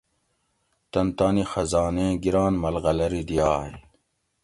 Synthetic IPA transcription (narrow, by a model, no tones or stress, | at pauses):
t̪ɐnt̪aːnixɐzɑːnẽːɡiɾaːnmɐlɣɐlɐɾid̪ijɑːj